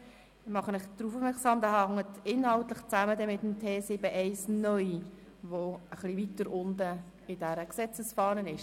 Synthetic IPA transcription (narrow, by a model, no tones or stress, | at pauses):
mɑχənɪχd̥ɾuːfufmɛksɑːmdɑhɑŋːətʰɪnhɑʊtlɪχt͡sæmədɛmɪtəmtʰeːsɪbəʔɛɪsnœʏ | ʋoəχlivitəɾʊndə | ɪdæɾəksɛt͡səsfɑːnənɪʃ